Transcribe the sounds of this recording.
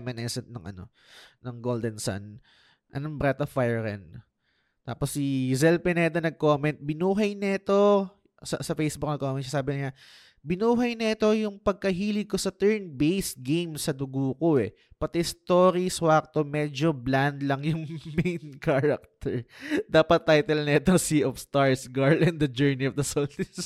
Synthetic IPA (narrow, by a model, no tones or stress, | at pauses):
mɛnɛsɛnɐŋʔɐ̰no̞ | nɐŋɡoːld̪ɛnsa̰n | ʔɐnoŋbɾɛt̪ɐfajɛɾɛ̰n | t̪a̰ːposːizɛlpɛnɛd̪ɐnɐɡ̚ko̞ːmɛnt̪̚bɪnuːɦɐjnɐɪt̪o̞ | sɐsɐfejsbʊk̚nɐɡ̚kːomɛnasaːbɪnɐɲa | bɪnuːɦɐjnɐɛt̪o̞jʊŋpɐɡ̚kɐɦiːlɪkosɐt̪ɛɹnbejsɡejmsɐd̪ʊɡoko̞ɛ̰ | pɐt̪ɛst̪oːɾiswak̚t̪omɛd͡ʒobland̪lɐŋjʊŋmejnkaɾɐk̚t̪ɛɹd̪aːpɐt̪ːajt̪ɛlnɐɛt̪osiʔofst̪aɹsɡaɹlɛnd̪ɐd͡ʒɛɹniɔfd̪ɐsolfɪs